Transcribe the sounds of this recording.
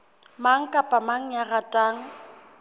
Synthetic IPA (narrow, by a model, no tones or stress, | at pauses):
maŋ̩kʼapʼamaŋ̩jaɣatʼaːŋ̩